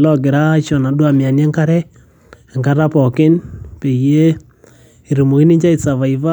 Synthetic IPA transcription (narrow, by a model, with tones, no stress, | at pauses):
lɔ˦k̬ɪ˨ɾa˦t͡ʃɔ˨na˨ɗwa˦mja˨njɛ˦ŋka˦ɾɛ˦˨ | ŋka˦ɾa˦pɔ˨kɪ˦npe˨je˦ | i˨ɾu˨mo˨ki˦ni˦ɲt͡ʃa˦i˨sa˨βa˨i˨va˦